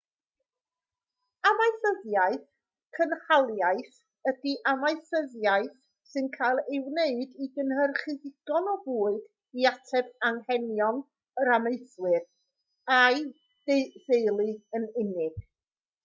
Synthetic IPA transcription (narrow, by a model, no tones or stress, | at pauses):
amaɨθəðjaɨθ | kʰənhalˠjaɨθ | ədiʔamaɨθəðjaɨθ | sɨnkʰajlˠɪwneɨdiɡənhərχɨðɪɡ̥ɔnɔvuːɨd̥ | iatʰɛbaŋhɛnjɔn | ɾameɨθwɨr | aj | d̥eðejlˠiənɪnɪɡ̥